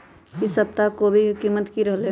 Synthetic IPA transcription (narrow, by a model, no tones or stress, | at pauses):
kisəp̚t̪akobʱikiːmət̪kiɾəɦle